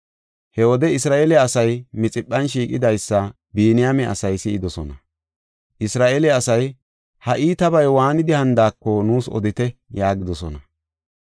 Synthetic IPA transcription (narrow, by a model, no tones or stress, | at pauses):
hɛwɔd̪ɛɪsɾaːʔelɪːsɐjmɪt͡sʼɪpːɐnʃiːkʼɪd̪ɐjsːɐ | biːnɪjamɛʔɐ̰sɐjsɪɪd̪ɔsɔ̰nɐ | ʔɪsɾaːʔelɪːsɐj | hɐʔiːt̪ɐbɐjwaːnɪd̪ɪhɐnd̪aːkːɔnuːsɔ̰d̪ɪt̪ɛjaːɡɪd̪ɔsɔnɐ